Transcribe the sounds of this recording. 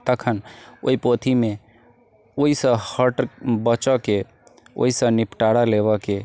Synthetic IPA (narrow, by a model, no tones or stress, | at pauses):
t̪əkʰəno̰ipot̪ʰime | oisə̃həʈbət͡ʃəke | o̰isə̃nipʈaɽalebəke